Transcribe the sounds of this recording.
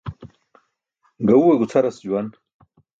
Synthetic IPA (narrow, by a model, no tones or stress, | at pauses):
ɡɐwuwɐɡut͡sʰɐɾɐsd͡ʑuwɐn